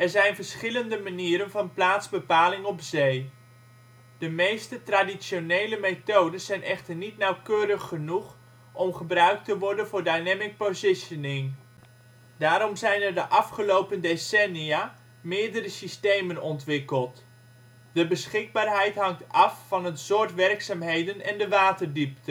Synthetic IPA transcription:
ɛɹzɛjnvəɹsχɪləndəmaniːɾənvɑnplaːtzbəpaːlɪŋɔpzej | d̥əmejstətradisjonejləmetowdəszɛjnʔɛχtəɹnitnɑwkøːrəχːənuχ | ʔɔmχəbrœɥk̚təʋɔɹdənvʊːɹdajnɛmɪk̚pozɪʃənɪŋ | d̥aːɾɔmzɛjnərdəʔɑfχəlowpəndesɛnia | mɪːɹdərəsistejmənɔntʋɪkəlˠt | dəbəsχɪɡ̚baːrɦɛjtɦɑŋtɑfːɑnətsʊɹtʋɛrksaːmɦejdənɛ̰ndəʋaːtərdiptʰə

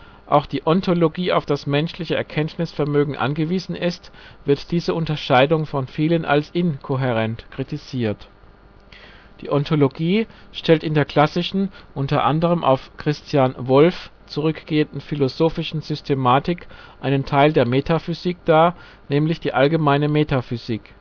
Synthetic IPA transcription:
ʔa̰ʊxd̥iːʔɔntʰoloɡiːa̰ʊfd̥asmɛnʃlɪçəʔɛ̰ɐkʰɛntnɪsfɛɐmøːɡŋ̩ʔa̰nɡəviːzn̩ɪstv̥ɪɐtd̥iːzəʔʊntɐʃaɪdʊŋfɔnfiːlənʔa̰lsʔɪnkʰoɦeʁɛntkʁ̥itiziːɐt | d̥ḭːʔɔntʰoloɡiːʃtʰɛltɪndeːɐkʰl̥asɪʃn̩ʔʊntɐʔa̰ndəʁ̞əmʔa̰ʊfkʁ̥ɪstʰjaːnvɔlf | t͡suʁʏkɡ̥eːəndn̩filozoːfɪʃn̩z̥ʏstʰemaːtɪkʔaɪnəntʰaɪldeːɐmeːtʰafyziːkd̥aːɐ | nɛːmlɪçd̥iːʔalɡəmaɪnəmeːtafyziːk

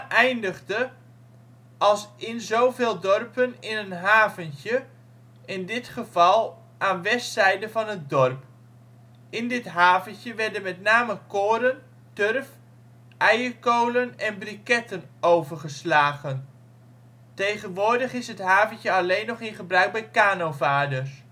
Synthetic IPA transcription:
ʔɛjndəχdə | ɑlˠsɪnzowvɪːlˠdɔrpənɪnənɦaːvəntə | ɪndɪtχəv̥ɑlˠ | ʔaːnʋɛstsɛjdəvɑnɦət̚dɔɹp | ɪndɪtɦaːvəntjəʋɛɹdənmɛtnaːməkoːɾən | tørf | ɛjəɹkowlənɛnbrikɛtənowvəɹχəslaːχən | tejχənʋʊːɹdəχɪsɦətɦaːvəntəɑlejnːɔχɪnχəbrœɥɡ̚bɛjkaːnowvaːdəɹs

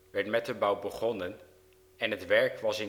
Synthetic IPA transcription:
ʋɛɹtmɛtəbɑwbəχɔnən | ɛnɦətʋɛɹkʋɑsɪ

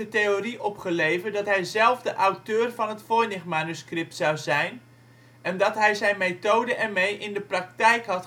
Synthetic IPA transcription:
ətejoriʔɔpχəlejvədɑtɦɛjzɛlˠvdəʔawtøːrvɑnɦətfʊːɹnɪχmaːnyskrɪp̚tsɑwzɛjn | ʔɛndɑtɦɛjzɛjnmejtowdəʔɛmejʔɪndəprɑk̚tɛjkɦɑt

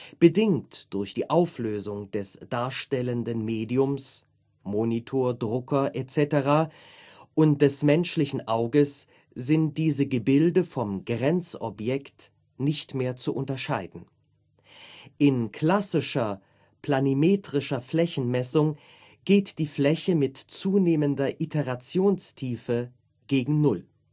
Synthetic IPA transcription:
b̥ədɪŋtd̥ʊɐçd̥iːʔaʊfløːzʊŋd̥ɛsd̥aːɐʃtɛləndənmeːdiʊms | moːnitʰoːɐdʁʊkɐʔet͡sɛtəʁaː | ʔʊnt̚d̥ɛsmɛnʃlɪçn̩ʔaʊɡəs | z̥ɪntd̥iːzəɡəbɪldəfɔmɡʁɛnt͡sʔɔ̰pjɛkt | nɪçtmeːɐt͡suʔʊntɐʃaɪdn̩ | ʔɪnkʰl̥asɪʃɐ | pl̥animeːtʁ̥ɪʃɐflɛçn̩mɛsʊŋ | ɡ̥eːtd̥iːflɛçəmɪtt͡suːneːməndɐʔitʰəʁat͡sjoːnstʰiːfə | ɡ̥eːɡŋ̩nʊl

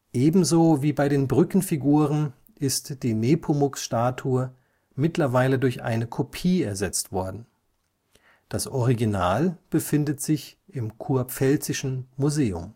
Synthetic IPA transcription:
ʔeːbm̩zoːviːbaɪdeːnbʁʏkn̩fiɡuːʁən | ʔɪstd̥iːneːpʰomʊksʃtaːtʰuːɐ | mɪtlɐvaɪlədʊɐçʔa̰ɪnəkʰopʰiːɛɐzɛt͡stv̥ɔɐdn̩ | d̥asʔɔʁiɡinaːlb̥əfɪndətz̥ɪçʔɪmkʰuɐp͡fɛlt͡sɪʃn̩muzeːʊ̰m

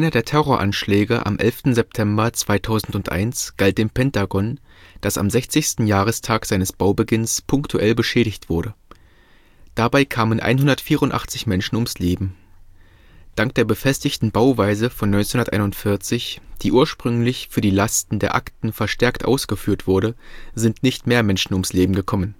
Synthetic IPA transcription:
ʔaɪnɐdeːɐtʰɛʁoːɐʔanʃlɛːɡəʔa̰mʔɛ̰lftn̩zɛp̚tʰɛmbɐt͡sv̥aɪtʰaʊzn̩tʊntʔa̰ɪnsɡ̥alt̚d̥eːmpʰɛntaɡɔn | d̥asa̰mzɛçt͡sɪçstn̩jaːʁ̞əstʰaːkz̥aɪnəsb̥aʊbəɡɪnspʰʊŋktʰuʔɛlbəʃɛːɾɪçtv̥ʊɐɾə | d̥abaɪkʰaːmənʔa̰ɪnɦʊndɐtfiːʁʊntʔa̰χt͡sɪçmɛnʃn̩ʊmsleːbm̩ | d̥aŋk̚d̥eːɐbəfɛstɪçtn̩baʊvaɪzəfɔnːɔʏnt͡senhʊnɐtʔaɪnʊntfɪɐt͡sɪçd̥iːʔuːɐʃpʁ̥ʏŋlɪçfyːɐdiːlastn̩deːɐʔa̰ktn̩fɛɐʃtɛɐktʔa̰ʊsɡ̥əfyːɐtv̥ʊɐɾəzɪntnɪçtmeːɐmɛnʃn̩ʊmsleːbm̩ɡəkʰɔmən

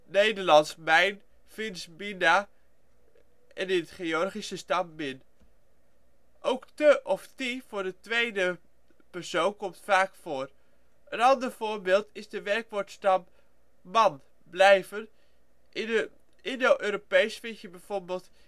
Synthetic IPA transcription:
nejdəɹlɑnsmɛjn | fɪnsmina | ɛnɪnətχeɔrχisəstɑmːɪn | ʔowktəʔɔftiv̥ʊːɹdətʋejdə | pɛɹsownkɔmtfaːkfoːr | ənɑndəɹv̥oːɹbɪːlˠtɪzdəʋɛrkʋʊɹtstɑmː | ɑn | blɛjvən | ɪnowʔøːɾopejsfɪnsjəbɛjv̥oɹbeːlˠt

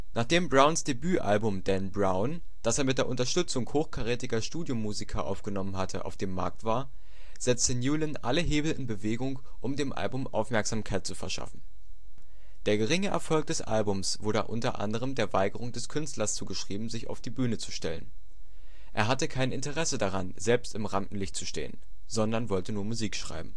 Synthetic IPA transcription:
nʔaːχd̥eːmbʁaʊnsd̥ebyːʔa̰lbʊmdɛnbʁaʊn | d̥aseːɐmɪt̚d̥eːɐʔʊntɐʃtʏt͡sʊŋhoːxkʰaʁeːtɪɡɐʃtuːdjomuːzikʰɐʔa̰ʊfɡ̥ənɔmənɦatʰəʔa̰ʊfd̥eːmːa̰ɐk̚tv̥aːɐ | z̥ɛt͡stənjuːlənʔa̰ləɦeːbl̩ɪnbəveːɡʊŋ | ʔʊmdeːmʔa̰lbʊmʔa̰ʊfmɛɐkz̥aːmkʰaɪt̚t͡sufɛɐʃa̰fn̩ | d̥eːɐɡəʁɪŋəʔɛɐfɔlk̚d̥ɛsʔa̰lbʊmsv̥ʊɐɾə̰ʔʊ̰ntɐ̰ʔa̰ndəʁ̞əmdeːɐvaɪɡəʁʊŋdɛskʰʏnstlɐst͡suːɡəʃʁ̥iːbm̩zɪça̰ʊfd̥iːbyːnət͡su̥ʃtɛlə̰n | ʔeːɐɦatəkʰaɪnɪntəʁɛsədaʁanzɛlpstɪmʁamʔn̩lɪçt̚t͡suʃtḛːə̰n | zɔndɐnvɔltənuːɐmuziːkʃʁ̥a̰ɪbm̩

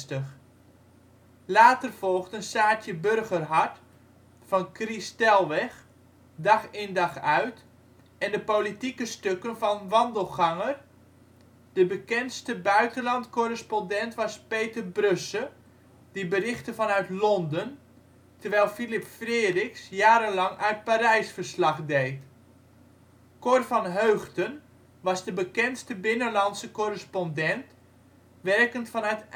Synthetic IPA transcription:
təx | laːtərfɔlˠxtənsaːtjəbørɣərɦart | fɑnkristɛlˠʋɛx | dɑxɪndɑxœɥt | ɛndəpolitikəstøkənfɑnʋɑndəlˠχɑŋər | d̥əbəkɛnstəbœɥtənlɑntkorəspɔndɛntʋɑspejtərbrøsə | d̥ibərɪχtəfɑnœɥtlɔndən | təɹʋɛjlˠfilɪpfreːrɪxsjaːɾənlɑŋœɥtpaɾɛjsfərslɑχdejt | korfɑnɦøːχtən | ʋɑzdəbəkɛnstəbɪnəlɑntsəkorəspɔndɛnt | ʋɛrkəntfɑnœt

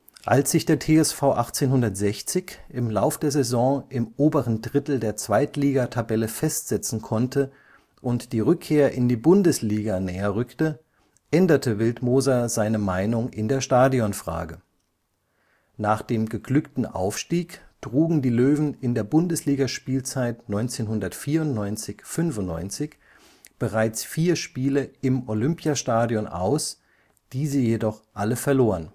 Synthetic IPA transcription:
ʔa̰lsz̥ɪçd̥eːɐtʰeːɛsfaʊʔa̰χt͡seːnhʊndɐtz̥ɛçt͡sɪçʔɪmlaʊfd̥eːɐzɛzɔ̃ːʔɪmʔoːbəʁəndʁɪtl̩deːɐt͡sv̥aɪtliːɡatʰabɛləfɛstz̥ɛt͡sn̩kʰɔntʰə | ʔʊntd̥iːʁʏkʰːeːɐʔɪndiːbʊndəsliːɡanɛːɐʁʏktə | ʔɛndɐtʰəvɪltmoːzazaɪnəmaɪnʊŋʔɪndeːɐʃtaːdiɔnfʁ̥a̰ːɡə | naːχd̥eːmɡəɡlʏktn̩ʔa̰ʊfʃtiːkd̥ʁuːɡŋ̩diːløːvn̩ɪndeːɐbʊndəsliːɡaʃpiːlt͡saɪtnɔʏnt͡seːnɦʊndɐtfiːɐʊntnɔʏnt͡sɪçfʏnfʊntnːɔ̰ʏnt͡sɪç | b̥əʁaɪt͡sfiːɐʃpiːləɪmʔolʏmpʰjaʃtaːdjɔnʔa̰ʊs | d̥iːzəjedɔχʔaləfɛɐloːʁən

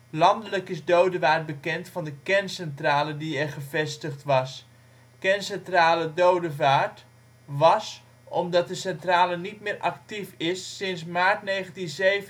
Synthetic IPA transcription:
lɑndələkɪsdowdəʋaːɹt̚bəkɛntfɑndəkɛrnsɛntraːlədiɛrχəvɛstəχtʋɑs | kɛnsɛntraːlədowdəvaːɹt | ʋɑs | ɔmdɑt̚dəsɛntraːlənitmɪːɹʔɑ̰ktifɪsːɪnsmaːɹtnejχəntinzeːv

